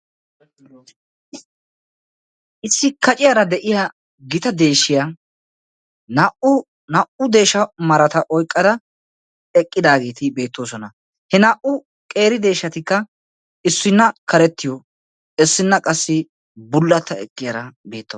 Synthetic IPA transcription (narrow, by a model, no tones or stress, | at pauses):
ɪsːɪkɐt͡ʃʼɪjɐɾɐd̪ɛʔɪjɐ | ɡɪt̪ɐd̪e̞ːʃːɪja | nɐʔʊ | nɐʔʊd̪e̞ːʃɐmɐɾɐt̪ɐʔɔjkʼːɐd̪ɐ | ɛkʼːɪd̪aːɡe̞ːt̪ɪbe̞ːt̪ːoːsɔnɐ | hɛnaːʔʊ | kʼe̞ːɾɪd̪e̞ːʃːɐt̪ɪkːɐ | ɪsːʊnːɐkʰɐɾɛt̪ːɪjɔ | ɛsːɪnːɐkʼɐsːɪ | bʊlːɐt̪ːɐɛ̰kʼːɪjɐɾɐbe̞ːt̪ːɐ